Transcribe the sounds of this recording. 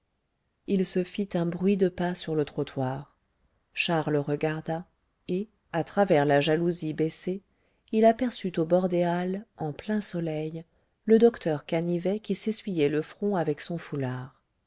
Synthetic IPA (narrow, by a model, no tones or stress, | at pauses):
ilsəfit̪ɛ̃bʁɥid̪əpasyʁlət̪χɔt̪ʰwaːʁ | ʃaʁlʁəɡaʁd̪a | e | at̪χavɛʁlaʒaluzibɛse | ilapɛʁsyt̪obɔʁd̪ealɑ̃plɛ̃sɔlɛj | ləd̪ɔkt̪œʁkanivɛkʲisesɥijɛləfχɔ̃avɛksɔ̃fulaːʁ